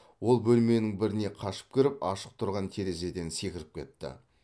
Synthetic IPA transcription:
wo̞lˠbɵlme̞nɪŋbɪɾɪne̞qʰɑʃə̥p̚kʲʰɪɾɪpɑʃə̥q̚t̪ʰʊɾʁɑnt̪ʰe̞ɾe̞ze̞d̪e̞nse̞kʲɪɾɪp̚kʲʰe̞t̪ːɪ̰

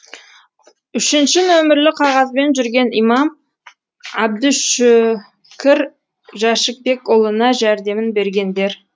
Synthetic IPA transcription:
ʏʃɪnʃɪnɵmɪɾlɪqʰɑʁɑzbe̞nʒʏɾɡʲe̞nijmɑm | ɑb̚d̪ɪʃ | kʲʰɪɾ | ʒɑʃək̚be̞kolˠənɑʒæɾd̪e̞mɪnbe̞ɾɡʲe̞nd̪e̞ɾ

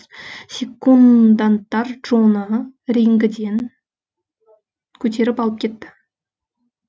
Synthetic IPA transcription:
sʲekːund̪ant̪ːɑɾʒ̥onəɾeŋɡʲɪd̪e̞n | kʲʰɵt̪̬e̞ɾɪpɑlˠəp̚kʲʰe̞t̪ːɪ̥

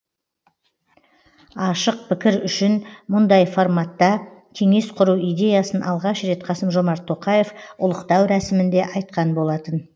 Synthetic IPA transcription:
ɑʃəq̚pʰɪkʲɪɾʏʃɪnmʊnd̪ɑjfoɾmɑt̪ːɑkʲʰe̞ŋe̞sqʰʊɾuwijd̪ʲe̞jasənʔɑ̰lˠʁɑʃɾe̞t̪qʰɑsəmʒo̞mɑɾt̪ʰːo̞qɑje̞fʊ̰lˠəqt̪ɑwɾæsɪmɪnd̪e̞ʔɑjt̪̚qɑnbo̞lˠɑt̪ən

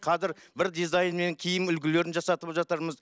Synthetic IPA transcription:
qʰɑzɪɾbɪɾd̪izɑjnme̞ŋkʲʰijɪmʏlɡʲɪle̞ɾɪnʒɑsɑt̪əpʒɑt̪əɾməz

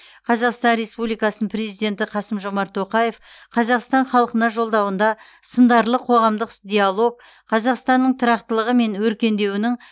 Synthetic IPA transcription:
qʰɑzɑqst̪ɑnɾe̞spublijkɑsənəpʰre̞zijd̪ʲe̞nt̪ɪqʰɑsəmʒo̞mɑɾt̪ʰːo̞qɑje̞fqʰɑzɑqst̪ɑɴχɑlˠəqənɑʒo̞lˠd̪ɑwənd̪ɑ | sənd̪ɑɾlˠəqʰo̞ʁɑmd̪əqd̪ʲialˠo̞ɡ̚ | qʰɑzɑqst̪ɑnːəɴt̪ʰʊɾɑqt̪əlˠəʁəme̞nwɵɾkʲe̞nd̪e̞wɪnɪŋ

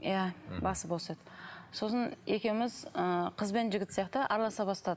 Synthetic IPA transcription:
jabɑsəbo̞sed̪əso̞səne̞kʲe̞wmɪzəqʰəzbenʒɪɡʲɪt̪sijɑq̚t̪əʔɑɾlˠɑsɑbɑst̪ɑd̪ə

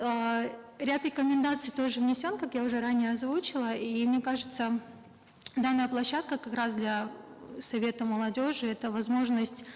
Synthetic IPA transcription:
ə | ɾʲat̪ɾʲɪkəmʲɪnd̪at̪sɨjt̪o̞ʐɨvnʲɪsʲo̞nkakjaʊʐɛɾanʲɪjəɐzvut͡ɕɪlˠəimnʲekaʐɨt̪sə | d̪anːəjəplˠɐɕːat̪̚kəkɐkɾasd̪lʲɐsɐvʲe̞t̪əməlˠɐdʲoʐɨɛt̪əvɐzmo̞ʐnəsʲtʲ

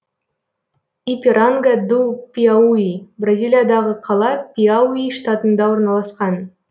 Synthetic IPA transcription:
ipʲiɾaŋɡad̪upʲiauibrazʲilʲijad̪ɑʁəqʰɑlˠɑpʲiauiʂt̪at̪ənd̪ɑwo̞ɾnɑlˠɑsqɑn

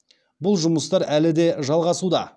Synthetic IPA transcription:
bʊlˠʒʊməst̪ɑɾælɪd̪e̞ʒɑlˠʁɑsud̪ɑ̰

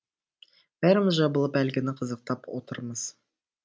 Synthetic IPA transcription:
b̥æɾməʒɑbɤlˠɤpælɡɘnɪqʰɤ̆zɤ̆q̚t̪ɑpot̪ɤ̆ɾmɤz

